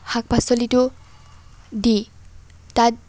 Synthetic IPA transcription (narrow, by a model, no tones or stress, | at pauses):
hak̚basɔlitu | di | tat̚